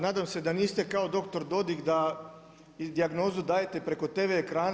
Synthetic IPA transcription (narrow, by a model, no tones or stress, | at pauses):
naːd̪amse̞d̪aniːst̪e̞kaod̪o̞kt̪o̞ɾd̪o̞d̪ikd̪a | d̪iaɡno̞ːzud̪aːje̞t̪e̞pɾe̞ko̞t̪e̞ʋeːkɾaːn